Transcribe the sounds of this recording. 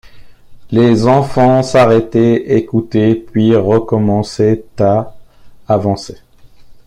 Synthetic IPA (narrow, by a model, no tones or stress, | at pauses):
lezɑ̃fɑ̃saʁɛt̪ɛekut̪epɥiʁəkɔmɑ̃sɛt̪aː | vɑ̃se